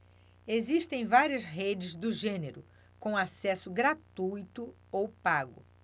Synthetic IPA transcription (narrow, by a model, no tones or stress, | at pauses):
eziʃt̪ẽj̃vaɾiɐzɦed͡ʒɪzd̪ʊʒẽneɾʊ | kõasɛsʊɡɾat̪ujt̪ʊ | owpaɡʊ